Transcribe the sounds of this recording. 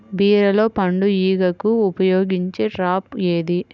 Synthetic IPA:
biːɾɐlo̞ːpɐɳɖujiːɡɐkuːpɐjoːɡiɲt͡ʃeːʈɾaːpeːd̪i

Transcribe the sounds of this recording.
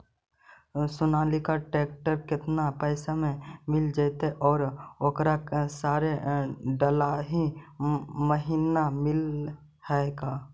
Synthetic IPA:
sʊnaːlikaʈeːk̚ʈəɾkɪt̪napɛːsamẽmɪld͡ʒet̪eʔɔːɾoːkɾaksaːɾeɖəlaɦi | məɦiːnamɪl | hɛeɡaː

